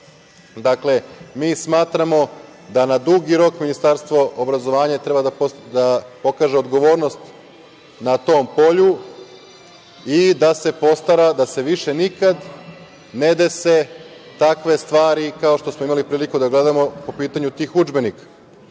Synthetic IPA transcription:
d̪akle̞miːsmaːt̪ɾamo̞ | d̪anad̪uɡiɾo̞kminist̪aɾst̪ʋo̞ʔobɾazo̞ʋaːɲat̪ɾe̞bad̪ad̪apo̞kaːʒeod̪ɡo̞ʋo̞ːɾno̞st̪ | nat̪o̞ːmpo̞ʎu | id̪ase̞po̞st̪aɾad̪ase̞ʋiʃe̞nikad̪ | ned̪ese̞ | t̪akʋe̞st̪ʋaːɾikao̞ʃt̪osmo̞imalipɾiːlikud̪aɡle̞d̪amo̞po̞piːt̪aɲut̪ixud͡ʒbe̞nikḁ

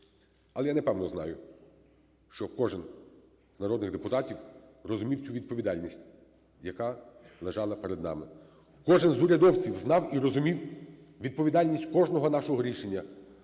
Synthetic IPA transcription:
ɐlˠɛjanɛpɛwnɔznɑ̰jʊ | ʃt͡ʃɔkɔʒɪn | znɐɾɔd̪nɪɣd̪epʊt̪ɑtʲiwrɔzʊmʲiwt͡sʲuʋʲid̪̚pɔʋʲid̪ɑlʲnʲisʲtʲ | jɐkɑlˠeʒɑlˠɐpeɾed̪nɑ̰mɪ | kɔʒɪnzʊɾʲɐd̪ɔwt͡sʲiwznɑwirɔzʊmʲiw | ʋʲid̪̚pɔʋʲid̪ɑlʲnʲisʲtʲkɔʒnɔɦɔnɑʃɔɦɔɾʲiʃenʲːɐ

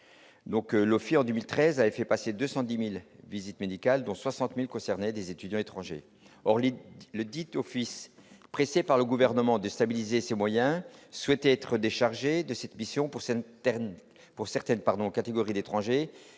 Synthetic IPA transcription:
d̪ɔ̃klɔfiɑ̃d̪ømilt̪χɛzavɛfɛpased̪øsɑ̃d̪imilvizit̪med̪ikald̪ɔ̃swasɑ̃t̪milkɔ̃sɛʁnɛd̪ezet̪yd̪jɑ̃et̪χɑ̃ʒḛ | ɔʁlləd̪it̪ɔfispχesepaʁləɡuvɛʁnəmɑ̃d̪əst̪abilizesemwajɛ̃swɛt̪ɛt̪χəd̪eʃaʁʒed̪əsɛt̪misjɔ̃pu | puʁsɛʁt̪ɛnpaʁd̪ɔ̃kat̪eɡɔʁid̪et̪χɑ̃ʒe

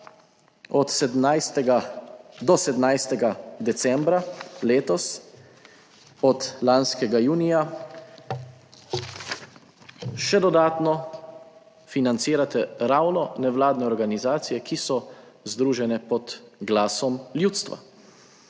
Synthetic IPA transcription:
ɔt̪sɛd̪najst̪ɛɡad̪ɔsɛd̪mnajst̪ɛɡad̪ɛt̪sɛmbɾaleːt̪ɔs | ɔt̪lanskɛɡajuːnija | ʃɛd̪ɔd̪aːt̪nɔ | finant̪siːɾat̪ɛɾawnɔnɛʋlaːd̪nɛɔɾɡanizaːt̪sijɛkisɔ | zd̪ɾuːʒɛnɛpɔd̪ɡlaːsɔmljuːt̪st̪ʋa̰

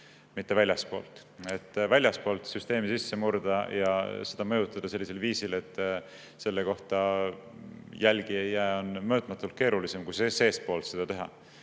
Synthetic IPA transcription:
mit̪ːe̞vælʲjɑspo̞̰ːlt̪ˑ | e̞t̪ːˑvælʲjɑspo̞ːlt̪syst̪e̞ːmisisːe̞muɾd̪ɑjɑ̰se̞d̪̥ɑmɤjut̪ːˑɑd̪̥ɑse̞lʲːise̞lviːsile̞t̪ːˑ | se̞lːe̞ko̞ht̪ɑ | jælɡ̥iejːæːo̞nmɤːt̪ˑmɑt̪ːˑult̪̚ke̞ːɾulise̞mkujsese̞ːspo̞ːlt̪se̞d̪̥ɑt̪e̞ɦɑ̰

